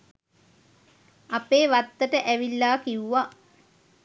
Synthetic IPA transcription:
apeːʋat̪ːəʈəʔæʋilːaːkiwʋa

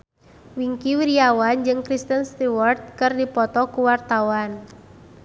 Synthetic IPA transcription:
wiŋkiwiɾiawand͡ʒɨŋkɾist̪ənst̪iwart̪̚kɨrdipɔt̪ɔkuwart̪awan

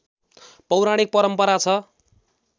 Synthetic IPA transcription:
pʌwɾaɽ̃ik̚pʌɾʌmpʌɾat͡sʰʌ

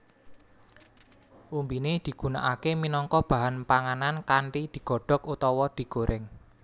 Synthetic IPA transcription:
ʔumbined̪̥i̤ɡ̥ṳna̰ʔakeminɔŋkɔb̥a̤ɦanpaŋanankaɳʈid̪̥i̤ɡ̥ɔ̤ɖ̥ɔ̤kut̪ɔwɔd̪̥i̤ɡ̥oɾʔɪŋ

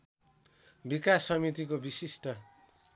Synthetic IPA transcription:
bikasːʌmit̪ikobisisʈʌ

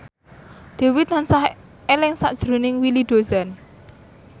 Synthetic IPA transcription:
d̪̥e̤wɪt̪̚lansah | elɪŋsa̰ʔd̥ʒ̥ɾunɪŋwilid̪̥o̤zan

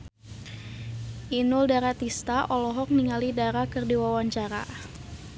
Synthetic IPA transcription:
ʔinʊldaɾat̪ist̪aʔɔlɔɦɔk̚niŋalidaɾakɨrdiwawaɲt͡ʃaɾa̰

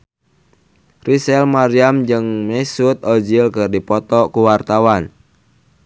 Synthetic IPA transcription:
risɛlmaɾiamd͡ʒɨŋmɛsut̪̚ɔd͡ʒilkɨrdipɔt̪ɔkuwart̪awan

